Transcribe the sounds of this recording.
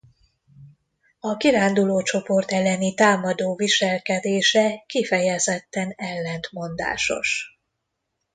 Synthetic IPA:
ɒkiɾaːnd̪uloːt͡ʃo̞po̞rt̪ɛlːɛnit̪aːmɒd̪oːviʃɛlkɛd̪eːʃɛkifɛjɛzɛt̪ːɛnɛlːɛnt̪mo̞nd̪a̰ːʃo̞̰ʃ

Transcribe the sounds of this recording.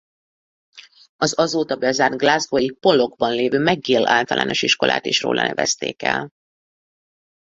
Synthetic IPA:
ɒzɒzoːt̪ɒbɛzaːrd̪̚ɡlazɡojipo̞lːo̞ɡbɒnleːvøːmɛɡːeːlaːlt̪ɒlʔa̰ːno̞ʃiʃko̞lʔa̰ːt̪eːʃro̰ːlʔɒ̰nɛvɛst̪ḛːkɛ̰l

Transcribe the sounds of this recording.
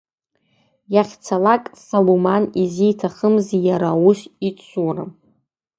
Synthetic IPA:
jaχʲt͡sʰalakʼsolomanizijtʰaχəmzijaɾawuʃit͡ʃʷʰura̰

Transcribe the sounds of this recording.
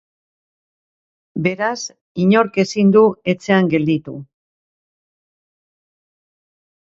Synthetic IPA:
be̞ɾas | iɲo̞ɾke̞sind̪ue̞t͡se̞aŋɡe̞ld̪it̪u

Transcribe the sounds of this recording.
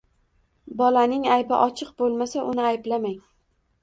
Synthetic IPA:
bɒlanɪŋajbɪ̰ʔɒt͡ʃʰɨqbolˠmasaʔʊnɪajblamaŋ

